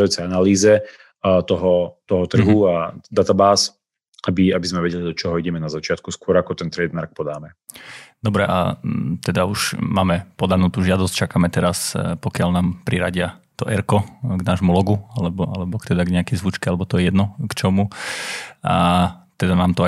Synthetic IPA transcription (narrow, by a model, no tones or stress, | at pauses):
juːt͡sɛanaliːzɛ | t̪ɔɦɔt̪ɔɦɔt̪r̩ɦuad̪at̪abaːs | abiabizmɛʋɛɟɛlid̪ɔt͡ʃɔɦɔiɟɛmɛnazat͡ʃɪat̪kuskʊɔɾakɔt̪ɛnt̪ɾɛːd̪maɾk̚pɔd̪aːmɛ | d̪ɔbɾɛʔa̰t̪ɛd̪auʃmaːmɛpɔd̪anuːt̪uːʒɪad̪ɔsct͡ʃakamɛt̪ɛɾaspɔkɪalnaːmpɾiɾaɟɪa | t̪ɔʔɛɾkɔɡnaːʒmulɔɡualɛbɔʔalɛbɔkt̪ɛd̪aɡɲɛakɛjzʋut͡ʃkɛalɛbɔt̪ɔjɛjɛd̪nɔkt͡ʃɔmu | at̪ɛd̪anaːmt̪ɔa